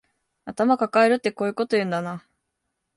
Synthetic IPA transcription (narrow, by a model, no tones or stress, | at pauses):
at̪amakakaeɾɯ̟t̪ːe̞ko̞ːɯ̟ko̞t̪o̞jɯ̟̃nd̪ana